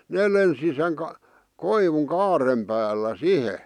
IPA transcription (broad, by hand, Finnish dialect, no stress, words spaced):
neː lensi seŋ k koiʋuŋ kɑːrem pæːlːæ sihe